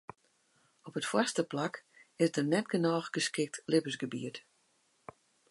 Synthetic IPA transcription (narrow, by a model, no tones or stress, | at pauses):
ɔpətfwɔstəplakɪsdənɛtɡənɔːχɡ̥əskɪk̚tlɪpəsɡəbḭət